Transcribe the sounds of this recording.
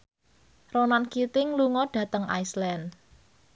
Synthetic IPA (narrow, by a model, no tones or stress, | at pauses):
ronankit̪ɪŋluŋɔɖ̥ä̤t̪əŋʔa̰jslɛn